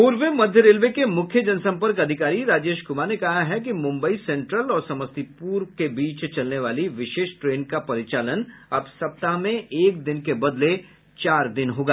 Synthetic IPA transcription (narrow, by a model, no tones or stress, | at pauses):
oːɾʋemɐd̪ʱjəɾeːlʋekemʊkʰjəd͡ʒɐnsɐ̃mpəɾkɐd̪ʱɪkaːɾiɾaːd͡ʒeːʃkʊmanekɐɦaɦɛk̬imʊ̃mbəisɛ̃ːɳʈɾəlɔːɾsɐməst̪ipuːɾkebiːt͡ʃt͡ʃɐlneʋaːliʋɪʃeːʃʈɾeːnkapɐɾɪt͡ʃaːlənɐbsɐp̚t̪aɦmẽʔeːk̚d̪ɪnkebɐd̪le | t͡ʃaːɾd̪ɪnɦoːɡaː